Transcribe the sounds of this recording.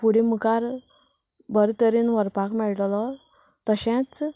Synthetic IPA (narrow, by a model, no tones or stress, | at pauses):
puɽimukaɾ | bəɾt̪əɾiːnʋəɾpakmɛɭʈlɔ | t̪əɕẽt͡s